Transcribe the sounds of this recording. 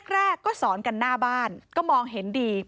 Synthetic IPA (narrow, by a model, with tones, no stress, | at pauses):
k̚ɾɛː˥˩kːɔː˥˩sɔː˩˦nka˧nːaː˥˩baː˥˩nkɔː˥˩mɔː˧ŋɦe˩˦ndiː˧